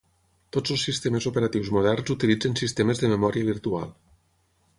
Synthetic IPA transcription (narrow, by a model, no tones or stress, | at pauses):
t̪ozəlˠsːist̪emezopeɾat̪iwzmoð̞ɛrnzut̪ilid͡zənsist̪eməzðəmemɔɾiəβ̞iɾt̪ua̰lˠ